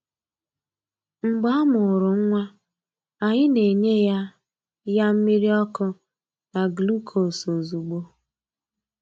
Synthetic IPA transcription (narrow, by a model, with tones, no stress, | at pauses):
ŋ͡m̩˨ɡ͡ba˦a˦mʊ˨ɾʊ˨ŋ̩˦ŋʷa˦ | a˨ɲɪ˦ne˨ɲe˦ja˦ | ja˦m̩˦mi˦ɾi˦ɔ˦kʊ˦ | na˨ɡlu˦kʰo˨so˨zu˨ɡ͡bo˦